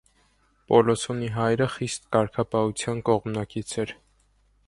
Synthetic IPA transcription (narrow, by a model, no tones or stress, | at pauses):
pɔlɔsʰɔniɦɑjɾəχist̪kɑɾkʰɑpɑhut͡sʰjɑnkɔʁmnɑkit͡sʰɛɾ